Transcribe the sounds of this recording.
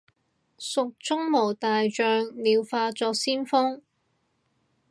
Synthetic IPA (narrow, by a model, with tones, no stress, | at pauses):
sʊ˨k̚t͡sʊ˥ŋmo˨˩wt̪aː˨jt͡ʃœː˨˧ŋliː˨˧wfaː˧t͡sɔː˧k̚siː˥nfɔ˥ŋ